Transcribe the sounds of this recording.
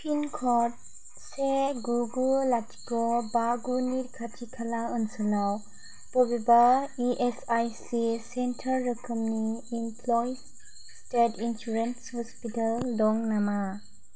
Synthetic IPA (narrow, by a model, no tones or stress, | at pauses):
pʰinkʰɔt̚ | seɡuɡulatʰi̥kɔbaɡuniɾkʰatʰikʰalaɯnsɯlaw | pɔbibaiʔesajsisentʰaɾːəkʰəmniːmpʰlɔj | tetʰinsuɾenshɔspitaldɔŋnama